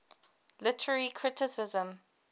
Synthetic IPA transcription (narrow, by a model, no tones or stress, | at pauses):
lɪtʰəɹəɹikʰɹɪtɪsɪzə̃m